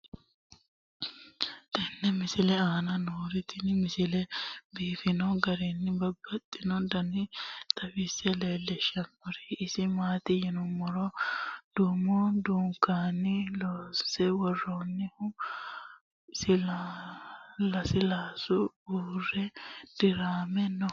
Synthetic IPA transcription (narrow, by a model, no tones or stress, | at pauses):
t̪ɛnːɛmɪsɪlɛaːnɐnoːɾɪt̪ɪnmɪsɪlɛbiːfɪnɔɡɐɾɛnːɪbɐbːɐt̪ʼːɪnɔd̪ɐnɪt̪ʰɐfɪsːɛleːlːɛʃɐmɔɾɛɪsɪmaːt̪ɪjɪnʊmɔɾɔd̪̥uːmɔd̪uːŋkːaːnːɪloːsɛwɔrːoːnːɪhʊ | sɪl | lɐsɪlaːsʊ | uːrɛd̪̥ɪɾaːmɛnːɔ